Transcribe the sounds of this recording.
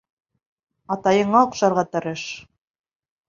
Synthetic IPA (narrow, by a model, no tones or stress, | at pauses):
ɑt̪ɑjɤ̆ɴɑoqʃɑɾʁɑt̪ɤ̆ɾɤʃ